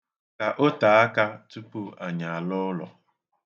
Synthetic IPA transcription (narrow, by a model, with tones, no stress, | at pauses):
ka˨ʔo˦ta˨a˦ka˦tu˦pu˦a˨ɲa˨a˨lɔ˦lɔ̰˨